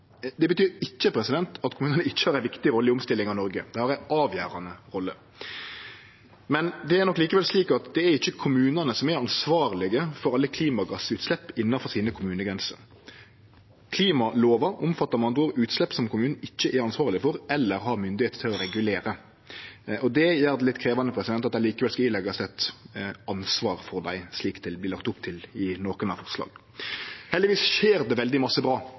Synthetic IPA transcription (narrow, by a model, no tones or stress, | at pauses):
d̪ɛbət̪ʰyːɾɪçːəpʰɾɛsɪd̪ɛnt̪ʰɑt̪kʰʊmʉːnənəɪçːə̥hɑːɾæɪnʋɪkt̪ɪɾɔlːəɪʊmst̪ɪlːɪŋɑʋnɔɾɡəd̪̥ɛhɑɾæɪʔɑːʋjæːɾɑnəʁɔlːə | mɛnd̪ɛæɾnɔkːliːkəʋɛlsliːkɑt̪d̪ɛːɾɪçːəkʰʊmʉːnənəsɔmæʁɑnsʋɑːɾlɪɡəfɔɾʁɑlːəkʰliːmɑɡɑsəʉːt̪slɛpːɪnːɑfɔʁsiːnəkʰʊmʉːnəɡɾɛnsə̰ɾ | kʰliːmɑloːʋɑʔʊmfɑt̪ːɑɾmɑnd̪ʊːɾʉːt̪slɛpːsɔmkʰʊmʉːnn̩ɪçːəʔæɾɑnsʋɑːʁlɪfɔɾɛlːəɾɦɑɾmʏnd̪ɪheːt̪t̪ʰɪlɔɾɛɡʉleːɾə | ʔɔd̪ɛjæːʁd̪ɛlɪt̪ːkʰɾeːʋɑnəpʰɾɛsɪd̪ɛnt̪ɑt̪æɪliːkəʋɛlskɑɪlɛɡːɑsɛt̪ɑnsʋɑːɾfɔʁd̪æɪsliːkt̪ɪlbliːlɑk̚t̪ʊpt̪ʰɪlɪnoːkənɑfɔʁslɑ̰ːɡ | hɛld̪ɪʋiːsʃeːɾd̪ɛʋɛld̪ɪmɑsːəbʁɑː